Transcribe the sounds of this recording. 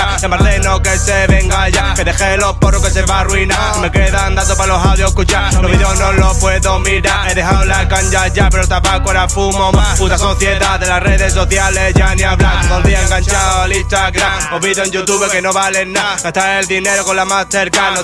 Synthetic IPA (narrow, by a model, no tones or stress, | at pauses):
a | empaɾðenoke̞seβe̞ŋɡaʝakeðe̞xelo̞poroke̞s̬eβarwina | imeke̞ðand̪at̪opalo̞sawðjoekut͡ʃaɾloβiðeonolopwe̞ðomiɾaeðe̞ɦawlakant͡ʃaʝapeɾot̪apakweɾafumo̞maput̪asoθje̞ðaðelasreðe̞s̬o̞θjale̞ʝaniaβlaðolðiaeŋɡant͡ʃaoelĩst̪aɣɾamoβiðoeɲd͡ʒut̪uβeke̞no̞βale̞nːaɡ̥at̪aɾeld̪ine̞ɾoko̞lamasθeɾkano